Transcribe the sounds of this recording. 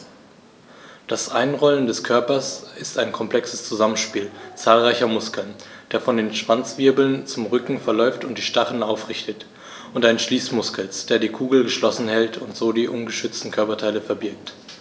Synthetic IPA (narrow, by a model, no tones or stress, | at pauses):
d̥asʔaɪnʁɔləndɛskʰœɐpɐsɪstaɪnkʰɔmpl̥ɛksəst͡suzamənʃpiːlt͡saːlʁaɪçɐmʊskl̩nd̥eːɐfɔndeːnʃv̥ant͡sv̥ɪɐbl̩nt͡sʊmʁʏkŋ̩fɛɐlɔʏftʊnt̚d̥iːʃtaχəlnaʊfʁ̥ɪçtət | ʔʊntʔaɪʃliːsmʊskl̩sd̥eːɐdiːkʰuːɡl̩ɡəʃlɔsn̩hɛltʰʊntz̥oːdiːʔʊnɡəʃʏt͡stn̩kʰœɐpɐtʰaɪləfɛɐbɪɐk̚t